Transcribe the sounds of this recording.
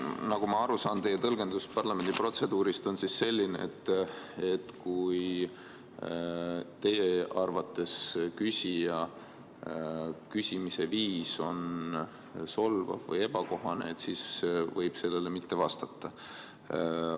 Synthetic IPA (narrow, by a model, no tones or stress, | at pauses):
nɑɡ̥umɑɑɾusɑːnt̪e̞jet̪ɤlɡ̥e̞nd̪uspɑrlɑme̞nd̪ipro̞t̪se̞d̪uːɾist̪o̞nsisːe̞lʲːinḛḛt̪ːˑe̞t̪kuj | t̪e̞jeɑrvɑt̪ːˑe̞skysʲijɑ | kysʲimise̞viːso̞n | so̞lvɑ̰vvɤ̰je̞bɑko̞ɦɑnet̪sisvɤjb̥se̞lːe̞le̞mit̪ːe̞vɑst̪ɑt̪ːˑɑ